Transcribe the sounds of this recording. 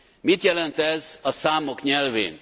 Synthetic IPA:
mit̪jɛlɛnt̪ɛzɒsaːmo̞kɲɛlvḛːn

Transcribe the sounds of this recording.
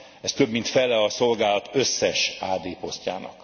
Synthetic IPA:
ɛst̪ø̞bmint̪fɛlɛɒso̞lɡaːlɒt̪øsːɛʃaːd̪eːpo̞sca̰ːnɒ̰k

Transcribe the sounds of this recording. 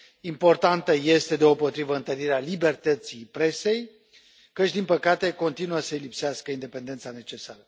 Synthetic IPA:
impo̞rt̪ant̪əje̞st̪e̞d̪eo̞po̞t̪ɾivəɨnt̪əɾiɾealibe̞rt̪ət̪sijpɾe̞se̞j | kət͡ʃʲd̪inpəkat̪e̞ko̞nt̪inuəsəilipseaskəind̪e̞pe̞nd̪e̞nt̪sane̞t͡ʃe̞saɾə

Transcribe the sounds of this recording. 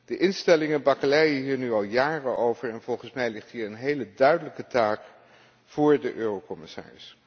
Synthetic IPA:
d̥əʔɪnstɛlɪŋənbɑkəlɛjəɦiːɹnyɑlˠjaːrəʔowvəɹɛnv̥ɔlˠχənsmɛjlɪχtɦiːɹənɦejlədœɥdələkətaːk | v̥ʊːɹdəʔøːrowkɔmɪsa̰ːɹɪs

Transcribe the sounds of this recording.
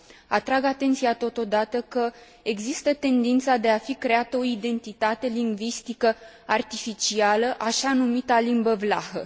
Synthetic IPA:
at̪ɾaɡat̪e̞nt̪siat̪o̞t̪o̞d̪at̪əkə | e̞ɡzist̪ət̪e̞nd̪int̪sad̪e̞afikɾe̞at̪əo̞id̪e̞nt̪it̪at̪e̞liŋɡvist̪ikə | art̪ifit͡ʃialəʔaʃanumit̪alimbəvlahə

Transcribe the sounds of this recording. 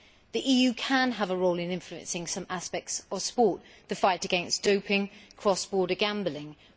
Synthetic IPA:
ðiʔiːjʉːkʰə̃nəvəɹəʊlɪ̃nɪ̃ɱfluə̰̃nsɪ̃ŋsʌ̃maspɛk̚tsəv̥spɔˑʔ̚ðəfaɪtəɡɛ̃nsd̥əʊpʰɪ̃ŋkʰɹ̥ɒsb̥ɔːɾəɡãmbəlɪ̃ŋ

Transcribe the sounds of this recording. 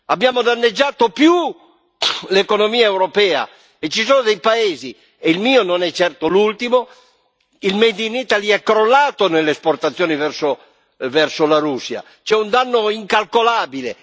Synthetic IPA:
abːjaːmod̪anːed͡ʒːaːt̪opju | lekonomiːaewɾopɛːa̰ | et͡ʃːisɔːnod̪ejpaeːzi | eilmiːononɛt͡ʃːɛrt̪olult̪imo | ilmed̪init̪aliɛkɾolːaːt̪onelːesport̪at̪sːjoːnivɛrso | vɛrsolaɾusːja̰ | t͡ʃɛund̪anːoiŋkalkolaːbilḛ

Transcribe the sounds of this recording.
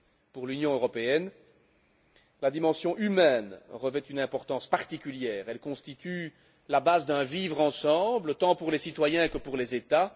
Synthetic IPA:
puʁlynjɔ̃øʁɔpeɛn | lad̪imɑ̃sjɔ̃ʔymɛnʁəvɛt̪ynɛ̃pɔʁt̪ɑ̃spaʁt̪ikʲyljɛːʁɛlkɔ̃st̪it̪y | labazd̪ɛ̃vivʁɑ̃sɑ̃blət̪ɑ̃puʁlesit̪wajɛ̃kəpuʁlezet̪a

